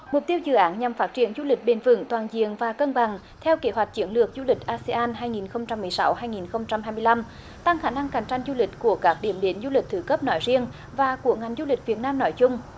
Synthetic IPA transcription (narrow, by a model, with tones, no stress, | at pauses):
mʊ˨˩k͡p̚t̪i˧əwzɨ̰˧˩ʔaː˨˦nɲa˨˩mfaː˦˥t̚t͡ɕi˧˩ənzu˧lï˨˩k̟̚ɓe˨˦nvɨ̰˧˥ŋt̪waː˨˩nzḭ˧˨ənvaː˨˩kə˧nɓa˨˩ŋ | t̪ʰɛ˧wke˨˦ɦwa˨˩jk̚t͡ɕi˨˦ənlɨ˨˩ək̚zu˧lï˨˩k̟̚ʔaː˧se˧ʔaː˧nɦaː˧jŋi˨˩nxə˧wŋ͡mt͡ɕa˧mːɨ˨˩əjsa˨˦wɦaː˧jŋi˨˩nxə˧wŋ͡mt͡ɕa˧mɦaː˧jmɨ˧jla˧m | t̪a˧ŋxaː˧˩na˧ŋka˨˩jŋ̟t͡ɕa˧jŋ̟zu˧lï˨˩k̟̚ku˧˩əkaː˦˥k̚ɗi˧˩əmɗe˨˦nzu˧li˨˩t̪ʰɨ˧˩kə˦˥p̚nɔ˨˦jzi˧ən | vaː˨˩ku˧˩əŋa˨˩jŋ̟zu˧lï˨˩k̟̚vi˨˩ət̚naː˧mnɔ˨˦jt͡ɕʊ˧ŋ͡m